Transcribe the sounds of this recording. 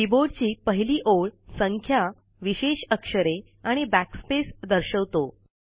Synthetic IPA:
iboɖt͡ɕiːpəɦiliːʔoɭsəŋkʰja | ʋiɕeɕəkʂəɾe | aɽ̃ibækspesd̪əɾɕəʋt̪o

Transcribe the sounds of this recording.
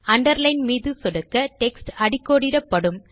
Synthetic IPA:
ɐɳɖɐɾlɐɪnmiːðɯsʊɽɐkːɐʈɛksʈɐɽɪkːoːɽɪɾɐpːɐɽɯm

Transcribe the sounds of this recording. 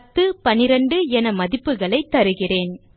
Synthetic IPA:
t̪ːɯpɐnɪɾɐɳɖɯɛnɐmɐðɪpːɯɣɐɭɐɪt̪ːɐɾɯɣɪreːn

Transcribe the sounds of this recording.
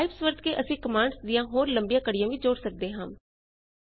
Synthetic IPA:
ɪbsʋəɾd̪̚keːʔəsĩːkəmaːɳɖsd̪ɪjãːɦoːɾləmbijãːkəɽɪjãːʋiːd͡ʒoːɽsək̚d̪eːɦãː

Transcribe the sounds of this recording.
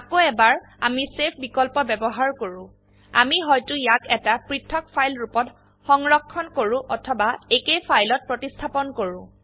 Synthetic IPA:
akoɛbaɹ | amisepʰbikɔlpɔbɛbɔɦaɹkoɹʊ̃ | a̰miɦɔjtʊjakɛtapɹitʰːɔk̚pʰajlɹupɔt | xɔŋɹɔkʰːɔnkoɹũʔɔtʰɔbaekejpʰajlɔt̚pɹotistʰapɔnkoɹʊ̃

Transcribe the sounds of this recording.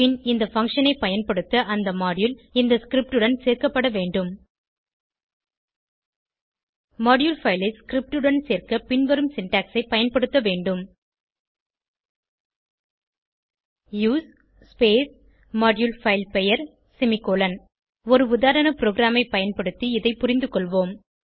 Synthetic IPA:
pɪnɪnd̪ɐfɐŋkʂɐnɐɪpːɐjɐnpɐɽɯt̪ːɐʔɐnd̪ɐmaːɽjulɪnd̪ɐskɾɪp̚ʈɯɽɐnseːɾkɐpːɐɽɐʋeːɳɖɯm | mɐːɖjulfɐɪlɐɪskɾɪp̚ʈɯɽɐnseːrkɐpɪnʋɐɾɯmsɪnʈaːksɐɪpːɐjɐnpɐɽɯt̪ːɐʋeːɳɖɯm | juːs | speːs | mɐːɖjulfɐɪlpɛjɐɾ | sɪmɪkoːlɐn | ɔɾɯʊðaːɾɐnɐpɾoːɣɪɾaːmɐɪpɐjɐnpɐɽɯt̪ːiɪðɐɪpʊɾɪnd̪ɯkɔɭʋoːm

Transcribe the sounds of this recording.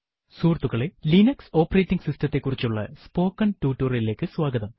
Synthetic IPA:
suːrt̪ːuɣɐɭelinɐkso̞ːpːɐreːtːiŋɡsistɐt̪ːe̞kːurit͡ɕːuɭːɐ̰spo̞ːkːɐntuːtːuːrile̞ːkːɨswaːɡɐðɐm

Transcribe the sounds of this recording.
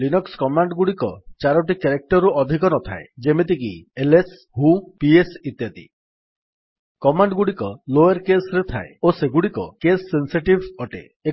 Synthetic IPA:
linɔkskɔmaɳɖɡuɽikɔt͡ʃaɾɔʈikeɾek̚ʈɔɾuɔd̪ʱikɔnɔt̪ʰa̰ed͡ʒemet̪̬ikieles | ɦupiesit̪jat̪ḭ | kɔmaɳɖɡuɽikɔlojeɾkesɾet̪ʰaeoseɡuɽikɔkesːensiʈibɔʈḛ | e

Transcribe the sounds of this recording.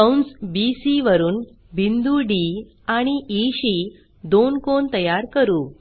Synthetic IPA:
əwɳsbisiʋəɾuːn | bʱind̪uɖi | aɽ̃iʔiɕi | d̪onkont̪əjaɾkəɾuː

